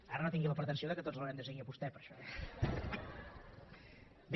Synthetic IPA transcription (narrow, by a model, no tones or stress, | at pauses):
aɾənot̪iŋɡiləpəɾt̪ənsioðəkət̪od͡zləβɾɛmnd̪əseɣŋiəβust̪ɛpəɾʃɔɛ | b